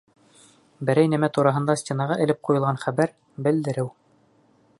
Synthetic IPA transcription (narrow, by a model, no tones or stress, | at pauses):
bɘ̆ɾæjnæmæt̪uɾɑɦɤ̆nd̪ɑsʲtʲenɑʁɑʔɘ̆lɘp̚qujɤ̆lˠʁɑnχæbæɾ | bɘ̆ld̪ɘ̆ɾɘw